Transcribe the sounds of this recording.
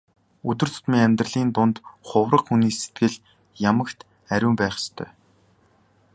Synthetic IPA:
ɵt̪ɵ̆rt͡s̪ʰʊ̥t̪miːŋæmʲt̪rə̆ɮiːnt̪ʊnt̪χʊwrə̆qxuniːset̪ɡɘ̆ɮ | jamə̆kt̪ | æɾʲʊːmpæːχst̪ʰœ̰ː

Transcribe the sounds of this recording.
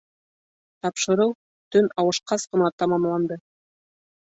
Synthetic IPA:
t̪ɑpʃɤ̆ɾɤw | t̪ɵnɑwɤ̆ʃqɑsqɤ̆nɑt̪ɑmɑmlˠɑnd̪ɤ

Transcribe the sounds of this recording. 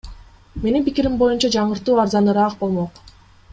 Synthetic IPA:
me̞nimpikiɾimbo̞junt͡ʃɑd͡ʒɑɴɯɾt̪uːɑɾzɑnɯɾɑq̚bo̞lˠmo̞q

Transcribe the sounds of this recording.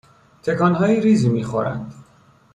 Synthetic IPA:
t̪ʰe̞kʰɒːnɦɒːjiɾiːzimiːxo̞ɾæ̰nd̪

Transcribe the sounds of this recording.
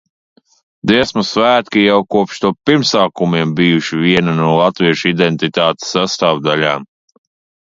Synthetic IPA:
d̪iɛsmusvæːt̪kijawkuɔpʃt̪uɔpiɾmsaːkumiɛmbijuʃivʲiɛnanuɔlˠat̪viɛʃid̪ent̪it̪aːt̪e̥sːast̪aːvd̪alʲaːm

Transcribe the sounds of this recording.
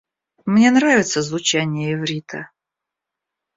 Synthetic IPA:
mnʲe̞nɾavʲɪt̪səzvʊt͡ɕænʲɪjəɪvɾʲit̪ʰə̰

